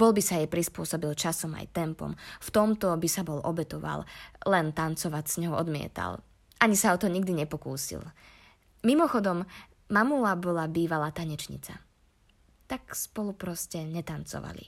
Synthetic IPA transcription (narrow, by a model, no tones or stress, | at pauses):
b̥ɔlbisajɛjpɾispʊɔsɔbilt͡ʃasɔma̰jt̪ɛmpɔ̰mft̪ɔmt̪ɔbisabɔlʔɔbɛt̪ɔʋa̰llɛnt̪ant͡sɔʋacsɲɔɦɔɔd̪mɪɛ̰t̪a̰l | ʔaɲisaɔt̪ɔɲiɡ̚d̪iɲɛpɔkuːsḭl | mimɔxɔd̪ɔmː | amulabɔlabiːʋalaːt̪aɲɛt͡ʃɲḭt͡sa̰ | t̪akspɔlupɾɔscɛɲɛt̪ant͡sɔ̰ʋa̰lḭ